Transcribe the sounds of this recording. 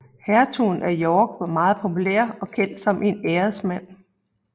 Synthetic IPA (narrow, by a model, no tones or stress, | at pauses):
hæɐt͡sʰunʔæjɒːɡ̥ʋɑ̈mɑ̈ːð̞̩ˠpʰo̝pʰulḛɐɒ̽kʰen̰d̥sɒ̽mʔe̝neːɐðˠsmæn̰